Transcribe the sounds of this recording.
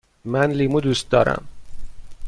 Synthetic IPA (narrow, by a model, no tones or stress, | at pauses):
mænlimuːd̪uːst̪̚d̪ɒːɾæ̰m